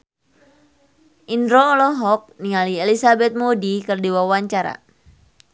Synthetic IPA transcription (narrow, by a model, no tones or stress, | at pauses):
ʔindɾɔːlɔɦɔk̚nialiɛlisabɛt̪̚modikɨrdiwawaɲt͡ʃaɾa̰